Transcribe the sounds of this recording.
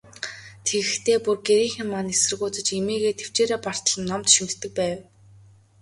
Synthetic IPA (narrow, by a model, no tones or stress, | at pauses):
t̪ʰeɣɘ̆xt̪ʰeːpurɡeɾiːŋxʲɪ̆mːanesɘ̆rɣʊːt͡sə̆t͡ɕemeːɣeːt̪ʰew̥t͡ɕeːɾeːpɔr̥t̪ə̆ɮɞ̆nːɔmt̪ʃimɘ̆ɬt̪ːɘ̆k̚pæːw